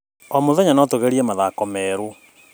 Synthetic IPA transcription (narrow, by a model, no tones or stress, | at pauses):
ɔmoðɛɲanɔtoɣɛɾiɛmaðakɔmɛːɾo